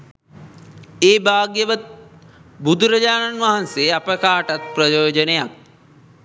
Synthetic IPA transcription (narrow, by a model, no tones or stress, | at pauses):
eːbaːɡjəʋət̪̚ | bud̪ʱuɾɐd͡ʒaːnanʋaɦanseapəkaːʈat̪̚prɐjoːd͡ʒənejak̚